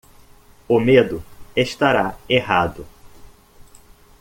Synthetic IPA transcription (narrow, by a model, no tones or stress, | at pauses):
ʊmed̪ʊeʃt̪aɾaeɦad̪ʊ